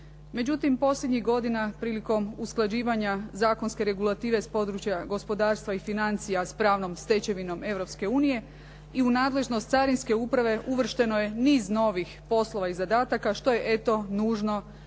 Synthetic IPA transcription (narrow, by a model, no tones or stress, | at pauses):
me̞d͡ʑut̪impo̞sʎʲed̪ɲiɣɡo̞d̪inapɾiːliko̞musklˠad͡ʑiːʋaɲazaːko̞nske̞ɾe̞ɡulˠat̪iːʋe̞spo̞d̪ɾut͡ɕjaɡo̞spo̞d̪aːɾst̪ʋaifinant̪sijaspɾaːʋno̞mst̪e̞t͡ɕe̞ʋino̞me̞ʋɾo̞pske̞uːnije̞ | iunaːd̪le̞ʒnost̪saɾinske̞upɾaʋe̞ʔuʋr̩ʃt̪e̞noje̞niːzno̞ʋixpo̞slˠo̞ʋaizad̪aːt̪akaʃt̪o̞je̞ʔe̞t̪o̞nuːʒno̞